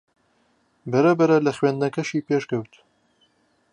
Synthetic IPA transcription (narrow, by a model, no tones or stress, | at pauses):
bɐɾɐbɐɾɐlɐxɥeːnd̪nɐkɐʃiːpeːʃkɐwt̪